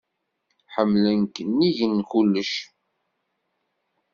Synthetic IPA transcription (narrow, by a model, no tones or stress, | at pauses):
ħəmːlənkːənːiʝənːkulːəʃ